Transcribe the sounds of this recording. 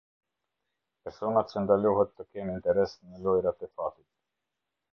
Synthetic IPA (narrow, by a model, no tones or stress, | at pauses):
pɛɾsɔnat͡ʃənd̪aluɦɛt̪ːəkɛnint̪ɛɾɛsnəlɔjɾat̪ɛfat̪it̪̚